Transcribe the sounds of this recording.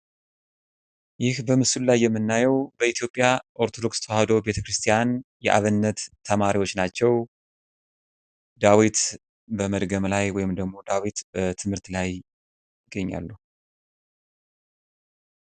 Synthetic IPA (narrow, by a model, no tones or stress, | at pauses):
jɪhbəmɨsullajːɛmːɨnːajɛwbəit̪jo̞pʼːjaʔo̞ɾt̪ʰo̞d̪o̞kst̪ʰowhad̪o̞be̞t̪ʰəkɾɨst̪ʰijanjɛ̰ʔa̰βɨnːət̪ʰːəmaɾiwo̞t͡ʃːnat͡ʃːɛw | d̪awit̪ | bəməd̪ɡəmlajwɔjɪmd̪əɡmo̞d̪awit̪bət̪ʰɨmhɨɾt̪laj | ɪɡːəɲːa̰lːu